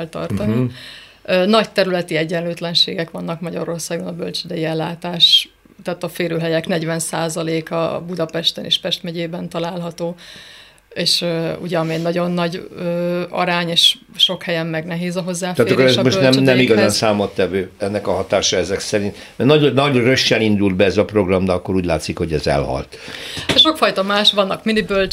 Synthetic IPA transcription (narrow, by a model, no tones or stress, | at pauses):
ɛlt̪ɒ̰rt̪ɒni | ønɒct̪ɛɾylɛt̪iɛɟːɛnløːt̪lɛnʃḛːɡɛkʋɒnːɒkmɒɟɒ̰ɾo̞rsaːɡonɒbølt͡ʃid̪ɛjiɛlːaːt̪aːʃ | t̪ɛːt̪ɒfeːɾøːɦɛjɛknɛɟvɛnsaːzɒleːkɒ̰bud̪ɒpɛʃt̪ɛnḛːʃpɛʃt̪mɛɟeːbɛnt̪ɒlaːlɦɒt̪oː | eːʃøṵɟɛmeːnːɒɟo̞nːɒɟøːɒ̰ɾaːɲeːʃ | ʃo̞khɛjɛmːɛɡnɛɦeːzɒɦo̞zːaːft̪at̪ːɾkːoɾɛʃzmoʃtnɛmnɛmiɡɒzaːnsaːmot̪ːɛvøːɛnːɛkɒɦɒt̪aːʃɒɛzɛksɛɾint̪ | mɛnɒɟonɒɟrøʃːɛnind̪uld̪̚bɛɛzɒpro̞ɡrɒmd̪ɛɒkːoɾuːɟla̰ːt̪sikhoɟɛzɛ̰lhɒ̰lt̪ʃo̞kfɒjt̪ɒmaːʃʋɒnːɒkminibølt͡ʃ